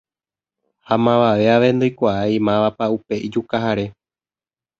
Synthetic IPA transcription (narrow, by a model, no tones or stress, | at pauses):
hamãʋaʋe̞aʋe̞nd̪ojkʷaaimãʋapaupe̞ʔid͡ʒukaɦaɾe̞